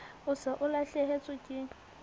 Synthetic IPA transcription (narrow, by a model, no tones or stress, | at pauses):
ʊsaʔʊlaɬɛɦet͡sʼʊkʼɪ